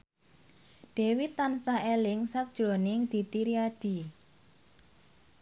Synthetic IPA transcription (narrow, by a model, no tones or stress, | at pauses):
ɖ̥e̤wit̪ansaʔelɪŋsak̚d̥ʒ̥ɾo̤nɪŋd̪̥i̤t̪iɾiad̥i̤